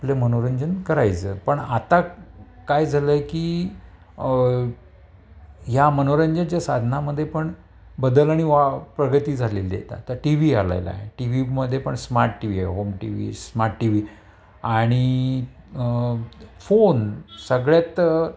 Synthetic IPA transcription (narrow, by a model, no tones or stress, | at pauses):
aplamənoɾəɲd͡ʑənkəɾajt͡sə̰ːpəɳat̪akajd͡zʱaləekiː | ɦjamənoɾəɲd͡ʑənt͡ɕjasad̪ʱnaməd̪ʱːjepəɳ | bəd̪əlaɽ̃iʋapɾəɡət̪iːd͡zʱalelḛt̪a̰t̪əɾʈiʋiala̰jla̰ɦḛʈiʋiməd̪ʱːjepəɳsmaɾʈːiʋia̰jɦomʈḭʋḭsmaɾʈʈiʋi | aɽ̃i | fonsəɡɭjat̪